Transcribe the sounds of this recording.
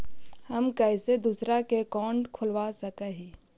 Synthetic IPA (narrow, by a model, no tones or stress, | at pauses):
hɐmkɛɪsed̪usɾakekɔːɳɖkʰʊlʋasəkeɦiː